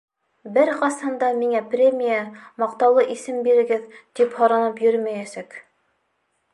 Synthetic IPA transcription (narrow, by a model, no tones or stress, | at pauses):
bɘɾqɑsɑnd̪ɑmiŋæprʲemʲijamɑq̚t̪ɑwlˠɤʔisɘmbiɾɘ̆ɡɘðt̪iphoɾɑnɤpjɵɾmæjæsæk